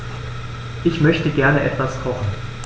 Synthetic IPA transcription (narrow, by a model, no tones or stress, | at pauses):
ʔɪçmœçtəɡɛɐnəʔɛtv̥askʰɔχn̩